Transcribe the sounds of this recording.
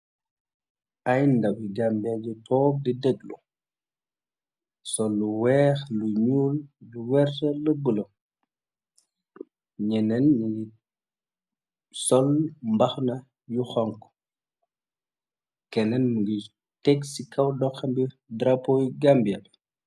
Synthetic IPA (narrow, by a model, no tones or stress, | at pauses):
ʔajndɐwiɡambiad͡ʒutɔːk̚didɛɡlṵ | sɔlːuwɛːxluɲuːljuwɛɾtɐləbəlɔ | ɲɛnɛnɲiɡi | sɔlmbɐxnɐ | juxɔŋkɔ̥ | kɛnɛnmuɡi | tɛksikɐwdɔxɐmbi | dɾapɔjɡambiabɛ